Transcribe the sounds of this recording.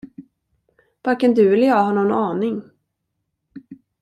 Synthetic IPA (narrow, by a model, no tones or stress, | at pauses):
vaɾkɛnd̪ɵɛləjɑːɡhaːnɔnɑːnɪŋ